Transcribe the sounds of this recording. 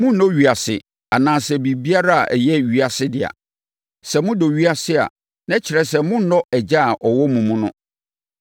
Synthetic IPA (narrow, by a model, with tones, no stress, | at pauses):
mʊ̃˦n˦˨nɔ̃˦ɥi˨a˨sɪ̰˨ | a˨nãː˨sɛ˨bi˨bi˦a˦ɾa˦a̰˨ʔɛ̰˨jɛ˦ɥi˦a˨sɪ˦dɪ˨a̰˨ | sɛ˨mʊ̃˦do˨ɥi˦a˨sɪ˦a̰˨ | nɛ̃˦t͡ɕʰɪ˨ɾɛ˦sɛ˨mʊ̃˦n̩˦nɔ̃˦ɛ˨d͡ʑa˦˨ʔɔ˨wɔ˦mũ˨mũ˦nʊ̰̃˦